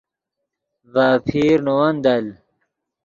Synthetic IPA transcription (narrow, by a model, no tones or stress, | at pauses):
vaːpʰiːɾnowɐnd̪ɐl